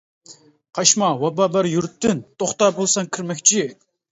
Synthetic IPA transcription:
qʰɑʃmɑwɑbɑːbɑɾjyɾt̪ːɪnt̪ʰoχt̪ɑːbolˠsɑŋkʰʲiɾmɛkʲt͡ʃʰi

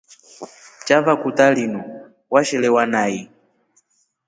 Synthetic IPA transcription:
t͡ʃavakutalinɔ | waʃɛlɛwanaji

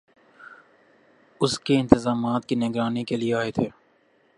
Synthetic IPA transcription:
ʊskeɪ̃nt̪ɪzaːmaːt̪̚kinɪɡɾaːnikelieaːet̪ʰeː

